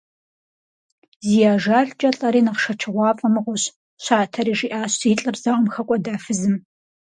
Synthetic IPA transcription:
zijaːʒaːɮd͡ʒʼɐɬʼɐɾiːnɐqʂɐt͡ʃʰɨʁʷɑːfʼɐmɨʁʷʊɕ | ɕaːtʰɐɾiːʒiːʔaːɕiːɬʼɨrzɐʁʼʊmxɐkʷʼɔdaːfɨzɨm

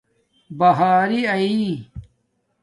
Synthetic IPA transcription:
bɐɦaːɾiɐi

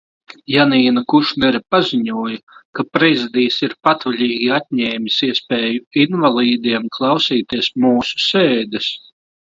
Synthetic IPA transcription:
janiːnakuʃnɛɾipazʲiɲuɔjakapɾɛzid̪iːsiɾpat̪valʲiːɡʲiat̪̚ʲɲɛːmʲisiɛspʲɛːjuinvalˠiːd̪iɛmklˠɑwsiːt̪iɛsmuːsu̥sɛːd̪es

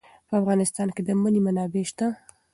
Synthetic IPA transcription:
pəafɣɑnɪst̪ɑnked̪əmənemanɑbeʃt̪a

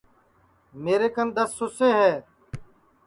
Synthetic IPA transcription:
meːɾeːkənd̪əsːʊseːɦɛː

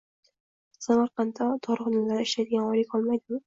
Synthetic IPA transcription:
samaɾqɑnd̪ad̪ʰɒɾʁʊd̪ʊmlaɾɪɪʃlajd̪ɪɡʲanɒjlɪkʲɒlˠmajd̪ɪm

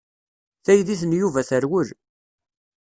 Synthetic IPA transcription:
θæjðiθənjuvæθəɾwəl

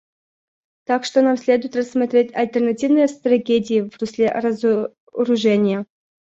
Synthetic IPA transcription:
t̪akʂt̪onamsʲlʲe̞d̪ʊjɪt̪rɐsːmɐt̪ɾʲetʲɐlʲt̪ʲərnɐtʲivnɨjəst̪rɐɡʲedʲɪɪvɾʊsʲlʲeɾɐz | ɾʊʐɛnʲɪjə

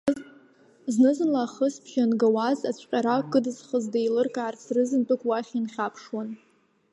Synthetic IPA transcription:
znɨzɨnlaːχəspʰʃanɡawazat͡ɕʷʰʼqʲʼaɾakʼɨdɨzχəzdajlɨrkʼaːrsrɨzɨntʼɨkʷʰʼwaχʲinχʲapʰʂwan

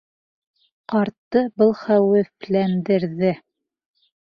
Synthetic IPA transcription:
qɑɾt̪ːɤbɤlˠχæwɘflænd̪ɘ̆ɾðɘ

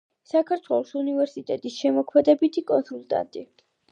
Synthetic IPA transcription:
sakʰaɾt̪ʰwɛlˠɔsunivɛɾsit̪ʼɛt̪ʼisʃɛmɔkʰmɛd̪ɛbit̪ʰikʼɔnsulˠt̪ʼa̰nt̪ʼi

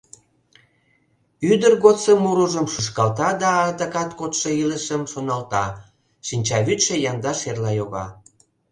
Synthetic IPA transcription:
yd̪ərɣot̪səmuɾuʒəmʃuʃkɑlt̪ɑd̪ɑːt̪əkɑt̪kot̪ʃəiləʃəmʃonɑlt̪ɑ | ʃinʲt͡ɕɑβyt̪ʃejɑnd̪ɑʃerlɑjoɣɑ̰

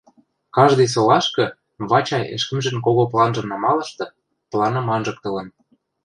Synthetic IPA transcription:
kɑʒd̪ɤ̆js̬olɑʃkɤ̆ | βɑt͡ɕɑjḛʃkə̆mʒĕnkoɣoplˠɑnʒɤ̆nɑmɑlɤ̆ʃt̪ɤ̆ | plˠɑnɤ̆mɑnʒɤ̆k̚t̪ə̆lə̆n

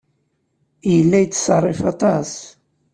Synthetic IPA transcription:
jəlːæjt͡sːsrˤːefɑt̪ˤɑs

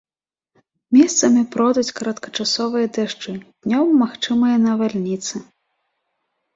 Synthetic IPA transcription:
mʲɛst̪sɐmʲipɾɔd̪ut͡sʲkɐɾɐt̪kɐ̥t͡ʂasɔvɨjɐd̪ɛʂt͡ʂɨd̪̥ʲnʲɔmːaxt͡ʂɨmɨjɐnɐvalʲnʲit̪sɨ

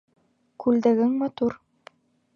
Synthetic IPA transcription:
kʉld̪æɡɘŋmɑt̪uɾ

